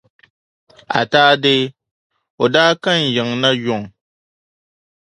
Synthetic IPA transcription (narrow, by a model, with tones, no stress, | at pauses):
a̰˨taː˦dɪ˦ | o˨daː˦ka˦n̩˨jɪ˨ŋna˦jʊ˨ŋ˨